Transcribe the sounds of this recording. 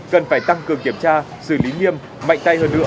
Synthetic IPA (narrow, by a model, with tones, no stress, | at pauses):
kə˨˩nfaː˧˩jt̪a˧ŋkɨ˨˩əŋki˧˩əmt͡ɕaː˧ | sɨ˧˩li˨˦ɲi˧əm | ma̰˧˨jŋ̟t̪a˧jhəː˧nːɨ̰˧˥ə